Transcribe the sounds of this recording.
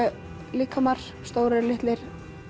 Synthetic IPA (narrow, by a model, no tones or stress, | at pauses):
liːkʰamar̥ | st̪oːwɾɪɾlɪht̪lɪɾ̥